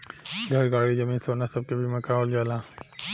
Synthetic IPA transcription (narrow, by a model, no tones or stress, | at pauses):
ɡʱəɾɡaːɽid͡ʒəmiːnsoːnasəb̚kebʱimɐkaold͡ʒaːla